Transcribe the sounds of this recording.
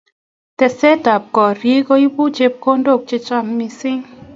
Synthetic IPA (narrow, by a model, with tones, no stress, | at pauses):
tɛ˨sɛ˦ta˨p̚kɔ˨ɾji˦ko˦i˦bu˦t͡ʃe˦p̚ko˦ndo˦˨k̚t͡ʃe˦t͡ʃa˦mːi˨sɪ˦ŋ